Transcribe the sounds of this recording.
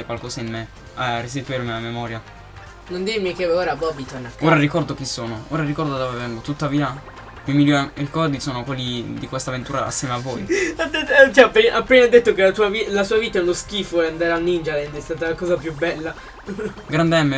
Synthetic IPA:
ekwalkɔːsainme | arːis̬ipeɾmeamemɔːɾja | nond̪iɾmikeoːɾabɔbit̪onoːɾarikɔrd̪ok̟isːoːnooːɾaɾikɔrd̪ad̪ovevɛŋɡot̪ut̪ːaviːa | mimilɾikɔrd̪isoːnokwelːid̪ikwest̪avent̪uːɾa̰a̰sːjɛːmeavːoːjad̪et̪ːt͡ʃɛapːiʔapːenad̪ːet̪ːokelat̪uːavilasuːaviːt̪aɛunoskiːfoland̪aɾanːind͡ʒalɛnd̪ɛst̪aːt̪alakɔːzapjubɛlːa | ɡɾand̪ɛmːe

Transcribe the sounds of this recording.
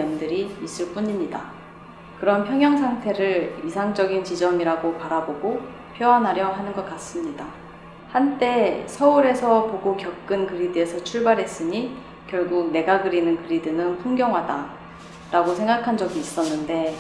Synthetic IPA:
ʌndɯɾimis͈ɯɭp͈uɲimɲida | kɯɾʌnpʰjʌŋjʌŋsʰaŋtʰe̞ɾɯɾisʰaŋd͡ʑʌɡint͡ɕid͡ʑʌmiɾaɡopaɾaboɡo | pʰjoanɦaɾjʌɦanɯnɡʌk͈̚as͈ɯmɲida | hant͈e̞sʰʌuɾe̞sʰʌpoɡokjʌk̚k͈ɯnkɯɾidɯe̞sʰʌt͡ɕʰuɭbaɾɦe̞s͈ɯɲi | kjʌɭɡuɡ̚ne̞ɡaɡɯɾinɯnkɯɾidɯnɯnpʰuŋɡjʌŋwɦada | ɾaɡosʰe̞ŋɡakʰand͡ʑʌɡiːs͈ʌnːɯnde̞

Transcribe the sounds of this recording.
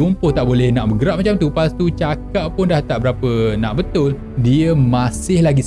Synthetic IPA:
umpʊht̪aʔbolɛhnãʔbəɡəɾaʔ̚p̚mat͡ʃamt̪upast̪ut͡ʃakaʔpʊndaht̪aʔbəɾapənãʔbət̪ʊl | diəmãsɪhlaɡis

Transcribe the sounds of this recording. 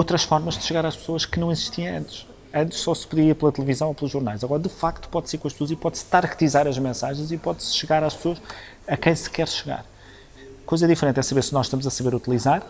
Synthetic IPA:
ot̪ɾɐʃfɔɾmɐʒd̪ɨʃɨɣaɾaʃpsoɐʃkɨnɐ̃w̃iziʃt̪iɐ̃ɐ̃nt̪ʃ | ɐ̃nt̪ɨ̥ʃsɔsɨ̥pɨðiiɐɾplˠɐt̪lˠɨvizɐ̃w̃oplˠuʒuɾnajzɐɣɔɾɐd̪ɨfakt̪u̥pɔðsiɾkõɐʃpsoɐzipɔðst̪aɾkt̪izaɾɐʒmẽsaʒɐ̃j̃zipɔðsʃɨɣaɾaʃpsoɐʃ | ɐkɐ̃j̃sɨ̥kɛɾʃɨɣa̰ɾ | kojzɐðifɨɾẽnt̪ɛsɐβeɾsɨnɔzʃt̪ɐmuzɐsɐβeɾut̪ilˠizaɾ

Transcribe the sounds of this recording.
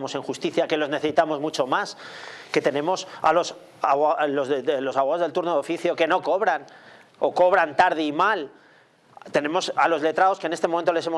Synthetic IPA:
mo̞se̞ŋxust̪iθjake̞lo̞zne̞θesit̪amo̞zmut͡ʃo̞maske̞t̪e̞nẽ̞mo̞sa̰lo̞s | alozelo̞saβwaozðelt̪uɾnoðo̞fiθjo̞ke̞no̞ko̞βɾan | o̞ko̞β̞ɾant̪aɾð̞eimal | t̪e̞ne̞mo̞salo̞zle̞t̪ɾao̞skene̞st̪emoment̪ole̞se̞mo

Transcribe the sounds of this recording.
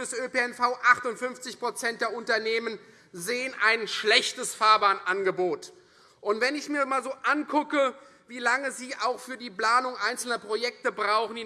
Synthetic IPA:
əsʔøpeɛnfaʊʔaχtʊntfʏnft͡sɪçpʁ̥ot͡sɛnt̚d̥eːɐʊntɐneːmən | zeːənʔaɪnʃlɛçtəsfaːɐbaːnʔanɡəboːt | ʔʊntv̥ɛnɪçmiːɐmaːlzoːʔankʰʊkə | viːlaŋəziːʔaʊxfyːɐdiːplaːnʊŋʔaɪnt͡sl̩nɐpʁ̥ojɛk̚təbʁaʊχn̩iː

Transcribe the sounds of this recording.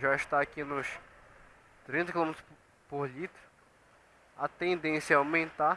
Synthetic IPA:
ʒaiʃt̪aɐkinʊʃ | t̪ɾĩnt̪ɐkilomet̪ɾ | poɾlit̪ɾʊ | ɐt̪ẽnd̪ẽsjɐawmẽnt̪a

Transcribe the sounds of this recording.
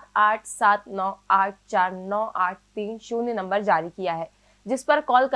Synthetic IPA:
t̪aːʈʰsaːt̪nɔːaːʈ̚ʰt͡ʃaːɾnɔːʔaːʈ̚ʰt̪iːnʃuːnenɐ̃mbəɾd͡ʒaːɾikijaɦɛː | d͡ʒɪspɐɾkɔːlkɐ

